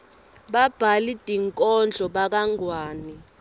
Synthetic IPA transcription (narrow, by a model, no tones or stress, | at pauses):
ɓab̥ʱalid̥ʼʱiŋkʼɔnd͡ɮʱɔɓak̬aŋwaːni